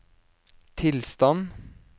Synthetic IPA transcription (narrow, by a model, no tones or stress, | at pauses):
t̪ʰɪlst̪ɑn